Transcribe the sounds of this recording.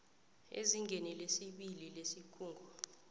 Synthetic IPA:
ḛziŋɡʱenilesiɓililesikʰuːŋɡʱɔ

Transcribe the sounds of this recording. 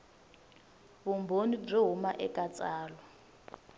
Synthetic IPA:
βumbʱonib͡ʐeɦumaʔɛkʼat͡sʼaːlɔ

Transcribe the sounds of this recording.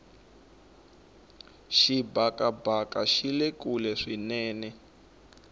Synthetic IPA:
ʃibakʼabakaʃilekulɛʂinɛːnɛ

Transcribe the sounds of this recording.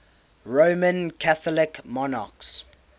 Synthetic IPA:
ɹomə̃nkʰaθɔlɪkmɔna̰ks

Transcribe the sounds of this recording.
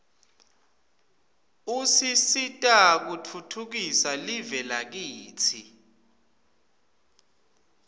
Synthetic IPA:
usisitʼak̬utʰutʰuk̬isalivɛlak̬iːt͡sʰi

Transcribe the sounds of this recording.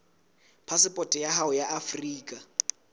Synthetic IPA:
pʰasɪpʼɔtʼɛjaɦaʊjaʔafriːkʼa

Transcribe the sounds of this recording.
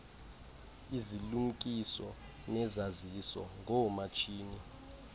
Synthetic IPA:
iziluŋ̩kʼisɔ | nɛzazisɔ̰ŋɔmat͡ʃʼʰiːni

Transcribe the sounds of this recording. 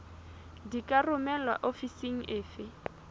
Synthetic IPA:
dikʼarʊmɛlwa̰ʔofisiŋ̩ʔɪːfɪ

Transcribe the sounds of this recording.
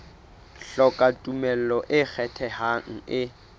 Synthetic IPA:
ɬɔkʼatʼumɛl̩lɔʔɪk͡xʰɛtʰɛhaŋ̩ɪ

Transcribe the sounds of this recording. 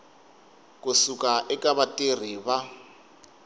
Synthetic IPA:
kʼʊsukʼaʔɪkʼaβatʼɪr̤iβa

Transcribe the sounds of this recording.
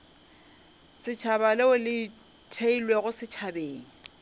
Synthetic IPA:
sɪt͡ʃʰabalɪʊlɪ | tʰeilweɣʊsɪt͡ʃʰabeːŋ̩

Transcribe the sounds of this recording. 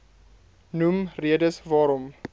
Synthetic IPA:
numriədəsvɑːɾɔm

